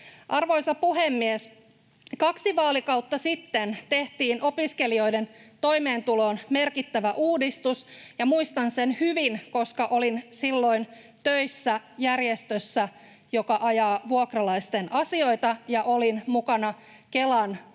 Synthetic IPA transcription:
ʔɑrʋo̞jsɑpuɦemːies | kɑksiʋɑːlikɑwt̪ːɑsit̪ːent̪e̞ht̪iːnʔo̞piske̞lio̞jde̞nt̪o̞jme̞ːnt̪ulo̞ːnme̞rkit̪ːæʋæʔuːdist̪usjɑmuist̪ɑnsenhyʋinko̞skɑʔo̞linsilːo̞in | t̪øjsːæjærjest̪øsːæ | jo̞kɑʔɑjɑːʋuokrɑlɑist̪e̞nʔɑsio̞jt̪ɑjɑʔo̞linmukɑnɑ | kelɑn

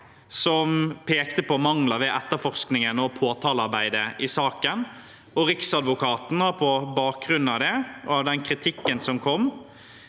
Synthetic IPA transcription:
sɔmpʰeːkt̪əpʰɔmɑŋləʋɛʔɛt̪ːəfɔʁsknɪŋənɔpʰoːt̪ʰɑːlɑɾbæɪd̪əʔɪsɑːkən | ɔɾɪksɑd̪ʋʊkʰɑːt̪n̩hɑɾpʰɔbɑːk̚ɡʁʉnːɑʋd̪ɛɑʋd̪ɛnkʰɾɪt̪ʰɪkːənsɔmkʰɔmː

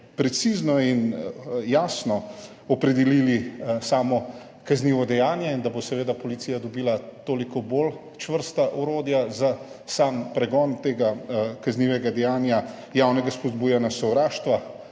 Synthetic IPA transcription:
pɾɛt̪siznɔinjaːsnɔ | ɔpɾɛd̪ililisaːmɔ | kazniːʋɔd̪ɛjaːnjɛind̪abosɛʋeːd̪apɔlit̪siːjad̪ɔbiːlat̪oːlikɔbol | t͡ʃʋəɾst̪aʔɔɾoːd̪jazasampɾɛɡɔːnt̪eːɡakazniːʋɛɡad̪ɛjaːnja | jawnɛɡaspɔd̪buːjɛnjasɔwɾaːʃt̪ʋa

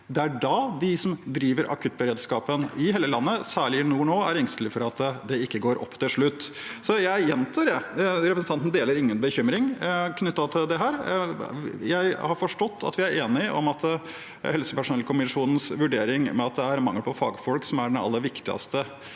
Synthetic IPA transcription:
d̪ɛæɖɑd̪ɪsɔmd̪ɾiːʋəɾʔɑ̰kʰʉːt̪̚ːbəɾeːd̪skɑːpənɪheːləlɑnːəsæːɭɪɪnuːɳoːæɾɪŋst̪əlɪfɔɾɑt̪d̪ɛɪkːəɡoːɾʔɔ̰pːt̪ʰɪlʂɭʉt̪ː | sɔjæɪɪjɛnt̪ʰəɖɛɾɛpɾəsn̩t̪ɑnt̪n̩d̪eːləɾɪŋːənbəçʏmɾɪŋkʰnʏt̪ːɑt̪ʰɪld̪ɛɦæːɾ | jæɪhɑɾfɔʂʈɔt̪ʰːɑ̰t̪ʋɪæɾeːnɪʔɔ̰mɑt̪ | hɛlsəpæʂʊnɛlkʰʊmɪʂuːnən̩sʋʉɖeːɾɪŋmɛ̰ɑt̪̚d̪ɛæɾmɑŋːəlpʰɔfɑːɡfɔlksɔmæɖɛnɑ̰lːəʋɪkt̪ɪɑ̰st̪ə

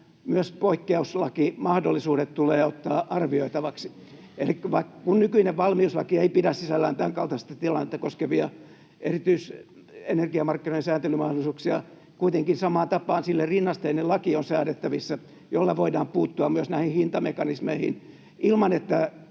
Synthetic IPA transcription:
myøspoikːeuslɑkimɑhdolːisuːɾet̪t̪uleːot̪ːɑːʔɑrʋioit̪ɑʋɑksi | elikʋɑikːkunnykyineʋʋɑlmiuslɑ̰kieipidæssisælːæːnt̪æŋkɑlt̪ɑst̪ɑt̪ilɑnːet̪ːɑkoskeʋiɑ | ʔerit̪yis | enerɡiɑmɑrkːinoinsæːnt̪elymɑhdolisuːksiɑ̰ | kuit̪eŋkinsɑmɑːnt̪ɑpːˑɑːnsilːerinːɑst̪enelɑkionsæːnet̪ːæʋisːæ | jolːɑʋoidɑːmpuːt̪ːuɑmmyøsnæihihint̪ɑmekɑnismeihḭn | ʔilmɑnet̪ːæ

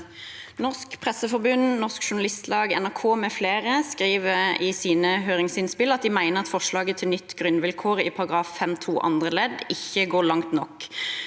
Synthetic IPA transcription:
nɔskpʰʁɛsəfɔɾbʉnnɔʁskʃʊɳɑlɪst̪ʰlɑːɡɛnæʁkʰoːmɛfleːʁəskʁiːʋəɪsiːnəɦøːʁɪŋsɪnspɪlɑt̪̚d̪ɪmæɪnəʁɑt̪fɔʃlɑːɡət̪ʰɪlnʏt̪ːɡʁʉnʋɪlkʰoːʁɪ̰pʰɑʁɑɡʁɑːfːɛmt̪ʰṵːʔɑ̰nd̪ʁəlɛd̪ɪçəɡoːlɑŋt̪nɔk

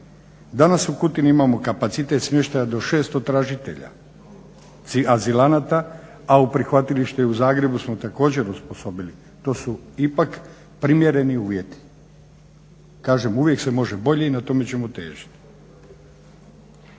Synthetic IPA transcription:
d̪anasukut̪iniimamo̞kapat̪sit̪e̞t̪smje̞ʃt̪ajad̪o̞ʃe̞ːst̪o̞t̪ɾaʒit̪e̞̰ʎa̰ | iazilanat̪a | aupɾixʋat̪iliʃt̪euzaːɡɾe̞busmo̞t̪ako̞ːd͡ʑe̞ɾuspo̞so̞bili | t̪o̞ːsuipak | pɾimje̞ɾe̞niuːʋje̞t̪i̥ | kaːʒe̞muʋje̞kse̞mo̞ʒe̞bo̞ʎe̞inat̪o̞me̞t͡ɕe̞mo̞t̪e̞̰ːʒi̥t̪i̥

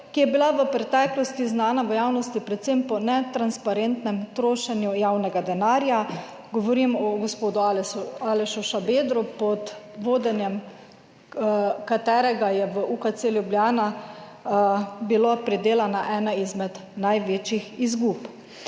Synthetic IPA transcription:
kijɛbilaʋəpɾɛt̪ɛklɔst̪iznaːnaʋəjaːwnɔst̪ipɾɛt̪sempɔnɛt̪ɾanspaɾent̪nɛmt̪ɾoːʃɛnjujawnɛɡad̪ɛnaːɾja | ɡɔʋɔɾimɔɡɔspoːd̪ʊaalɛʃuʃabeːd̪ɾupɔt̪ʋoːd̪ɛnjɛm | kat̪ɛːɾɛɡajɛʋəʔukat̪seljubljaːna | bilopɾid̪eːlanaʔɛːnaizmɛd̪najʋeːt͡ʃixizɡuːp

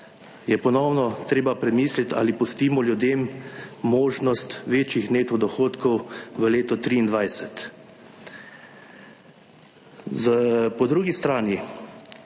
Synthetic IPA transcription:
jɛpɔnɔwnɔt̪ɾeːbapɾɛmiːslit̪a̰ːlipust̪iːmɔljud̪eːmː | oːʒnɔst̪ʋeːt͡ʃixneːt̪ɔd̪ɔxoːt̪kɔwʋəleːt̪ɔt̪ɾiːnd̪ʋajsɛt̪ | zəpɔd̪ɾuːɡist̪ɾaːni

